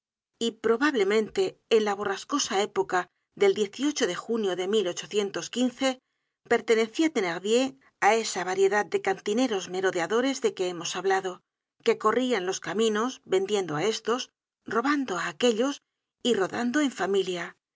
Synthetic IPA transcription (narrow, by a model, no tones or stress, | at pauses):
ipɾo̞βaβle̞mẽ̞nt̪e̞ːnlaβ̞o̞rasko̞sae̞po̞ka | ðe̞ld̪je̞θio̞t͡ʃo̞ðe̞xunjo̞ðe̞milo̞t͡ʃo̞θje̞nt̪o̞skinθe̞ | pe̞ɾt̪e̞ne̞θiat̪e̞neɾβje̞ŋ | ae̞saβaɾje̞ðaðd̪e̞kant̪ine̞ɾo̞zme̞ɾo̞ðeaðo̞ɾe̞zðe̞ke̞emo̞saβlaðo̞ | ke̞ko̞rianlo̞skamĩno̞zβe̞nd̪je̞nd̪oae̞st̪o̞s | ro̞βand̪o̞aːke̞ʎo̞s | iro̞ðand̪o̞e̞ɱfamilja